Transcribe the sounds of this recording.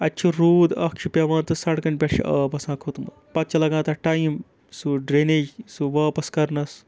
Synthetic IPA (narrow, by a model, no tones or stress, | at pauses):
ɐtːt͡ʃʰuɾuːd̪ɐkt͡ʃʰupʲeʋãːnt̪ɐsɐʈkɐɳpʲeʈʃḭʔəpɐsãːkʰut̪mɐ̰ | pɐt̪̚t͡ʃʰɐlɐɡãːt̪ɐʈajim | suɖɾeneːd͡ʒsuʋɐːpɐskɐɾnɐs